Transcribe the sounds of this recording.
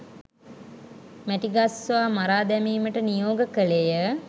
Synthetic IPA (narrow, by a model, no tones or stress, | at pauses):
mæʈiɡasʋamaɾaːd̪ɛmiːməʈənijoːɡəkəlejə